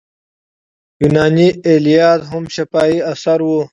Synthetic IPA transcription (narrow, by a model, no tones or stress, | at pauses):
junaːnielijaːt̪ɦʊmʃɐfaːiɐsɐɾwo